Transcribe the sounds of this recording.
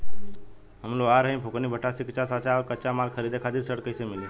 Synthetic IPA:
ɦəmloaɾəɦĩbʱoknibʱəʈːasikt͡ʃasat͡ʃaɔɾkət͡ʃamalkʰəɾid̪ekʰad̪iɾsəɽkəɪsemɪli

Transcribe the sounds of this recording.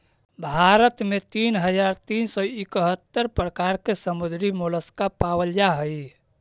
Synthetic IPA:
bʱaɾət̪met̪iːnɦəd͡ʒaɾt̪iːnsɔɪkɦət̪ːəɾpɾəkaɾkesəmud̪ɾimuləskapawəld͡ʒaɦəj

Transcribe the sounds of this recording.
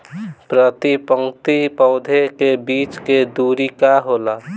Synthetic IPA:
pɾət̪ipəŋkt̪ipəʊd̪ʱekebiːt͡ʃked̪uːɾikaɦoːla

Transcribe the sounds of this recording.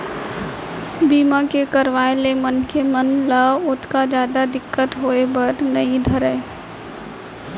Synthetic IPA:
biːmakekəɾʋaːelemənkemənlaʊt̪kad͡ʒjaːd̪ad̪ɪkːət̪ɦoːebəɾnəĩd̪ʱəɾə

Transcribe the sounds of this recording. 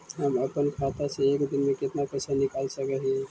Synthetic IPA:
ɦəməpənkʰat̪asẽekd̪inmeket̪napəsanikalsəkəɦi

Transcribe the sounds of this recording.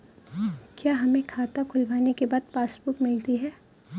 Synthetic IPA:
kjaːɦɐmẽkʰaːt̪akʰʊlbaːnekebaːd̪̚paːsbʊkmɪlt̪iɦɛː

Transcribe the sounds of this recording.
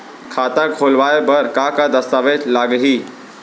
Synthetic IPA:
kʰaːt̪akʰoːlʋaːebəɾkakad̪ɐst̪aːʋeːd͡ʒlaːɡɦiː

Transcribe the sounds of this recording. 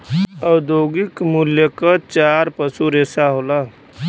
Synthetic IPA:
əwd̪joːɡɪkmʊljəkət͡ʃaːɾpəsuɾeːsaɦoːla

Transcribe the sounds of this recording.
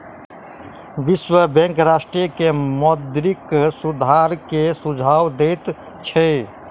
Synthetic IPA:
ʋiswəbɛ̃ŋkɾaːsʈɾijkemɔd̪ɾiksud̪ʱaɾkesud͡ʒʱaːwd̪et̪ | t͡ʃʰɛ

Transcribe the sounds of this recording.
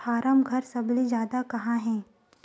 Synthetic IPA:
aːɾəmɡʱɐɾsɐblezjaːd̪akɐɦãɦɛ̃ː

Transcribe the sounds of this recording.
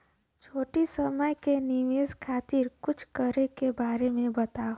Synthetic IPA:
t͡ʃʰoːʈisəməjkeniʋeːzkʰaːt̪ɪɾkʊt͡ʃʰkəɾekebaːɾemẽbɐt̪ao

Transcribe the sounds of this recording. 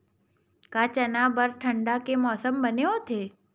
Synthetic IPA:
kat͡ɕənabəɾʈʰəɳɖakemɔːsəmbəneot̪ʰe

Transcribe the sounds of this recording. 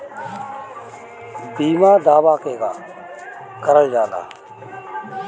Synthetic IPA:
biːmãːd̪aːʋaːkeːɡaː | kəɾəd͡ʒaːla̰ː

